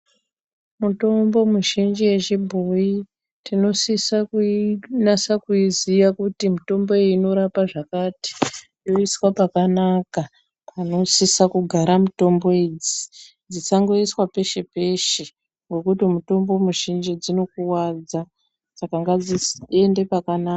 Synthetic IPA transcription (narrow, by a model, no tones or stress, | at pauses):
muto̞mbo̞muʒind͡ʒije̞t͡ʃibʱoi | tino̞sisakunasakuiziʋakutimuto̞mbo̞eːno̞ɾapaʐakaːti̥ | jo̞iswapakanaka | pʰano̞sisakuɡʱaɾamuto̞mbo̞ed͡zi | d͡zisaŋɡo̞iswape̞ʃe̞pe̞ʃe | ŋɡwo̞kutimuto̞mbo̞muʒind͡ʒid͡zino̞kuwad͡za | sakaŋɡad͡zie̞nde̞pakanaa